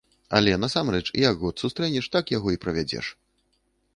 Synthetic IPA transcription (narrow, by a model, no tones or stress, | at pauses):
ɐ̰lʲɛnɐsamrɛt͡ʂḭjɐɡɣɔt̪sust̪ɾɛnʲɛʂt̪akjaɣɔipɾɐvʲad͡zʲɛ̰ʂ